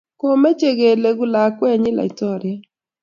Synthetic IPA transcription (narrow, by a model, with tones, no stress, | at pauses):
ko˦mɛ˦t͡ʃe˦ɡe˨le˨ɡu˦la˨kwɛ˦ɲɪ˦la̰˨i˨tɔ˦ɾɪ˨a˦